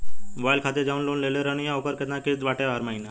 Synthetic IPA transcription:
ʋajlkʰat̪eɾd͡ʒaunloːnleleɾəñijãokəɾket̪nãked̪ʋaʈeʋaɾmaɦina

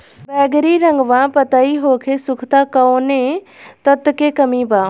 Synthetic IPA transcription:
bɛːɡɾiɾə̃ŋɡʋãːpət̪aiɦoːkʰesʊkʰt̪aːkəonẽ | t̪ət̪kekɐmibaː

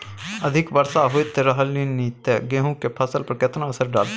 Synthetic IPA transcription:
əd̪ʱɪkʋəɾsaɦoit̪eɾəɦəlinit̪eɡeːɦũkepʰəsəlpəɾket̪nãəsəɾɖa̰ːl

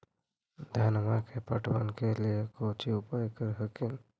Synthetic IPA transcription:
d̪ʱanmakʰepəʈʋankelikot͡ɕiupajkəɾɦəkil

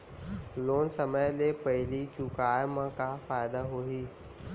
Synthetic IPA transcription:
loːnsəməjlepɐɦɪlit͡ʃʊkaːjmãkafaːjd̪aɦoɦiː

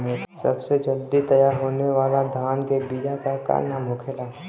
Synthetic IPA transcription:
mẽsɐ̰bsed͡ʒɐld̪it̪ɐjaːɾɦoːneʋaːlad̪ʱaːnkebiːd͡ʒakaka̰ɾnamoːkʰela

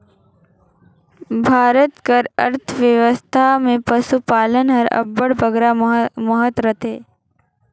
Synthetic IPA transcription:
bʱaːɾət̪kəɾɐ̰ɾt̪ʰʋjəʋəst̪ʰamẽpəsupaːlənɦɐɾɐ̰bːəɽbəɡɾaməɦət̪ɾət̪ɦeː

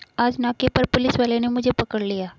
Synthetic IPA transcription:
aːd͡ʒnaːkepɐɾpʊlɪsʋaːlenemʊd͡ʒʱepɐkəɽlijaː

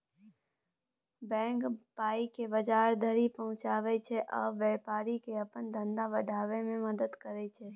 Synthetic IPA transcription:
bɛ̃ːŋkpaːikebəd͡ʒaːɾd̪ʱəɾipəɦʊ̃t͡ʃaːʋɛt͡ʃʰɛʔəbɛːpaːɾikeəpənd̪ə̃nd̪abəɖʱaːʋemẽməd̪əd̪kəɾɛt͡ʃʰɛː

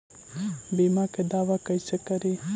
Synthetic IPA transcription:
bimɑked̪awakajsakaɾi

